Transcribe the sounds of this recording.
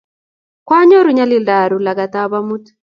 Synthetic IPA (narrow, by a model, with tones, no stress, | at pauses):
kwa˦ɲɔ˦ɾu˨˦ɲa˦lɪ˦da˨ɾu˨la˨ɡa˨t̪a˦βa˦mu˦t